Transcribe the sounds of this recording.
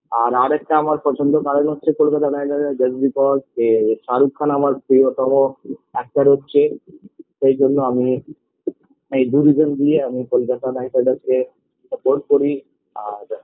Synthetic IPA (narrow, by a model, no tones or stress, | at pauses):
aɾaɾɛk̚ʈaamaɾpɔt͡ʃʰond̪okaɾonɦotːʃʰekolkat̪anajʈaɖd͡ʒəzbipɔɖkeʃaɾukʰːanamaɾpɾiot̪ɔmoɛk̚ʈaɾɦotːɕʰe | ʃejd͡ʒonːoami | ejd̪uɾizond̪ieamikolkat̪anajʈaɖaske | sɐpoɾʈ̚koɾi | aɾ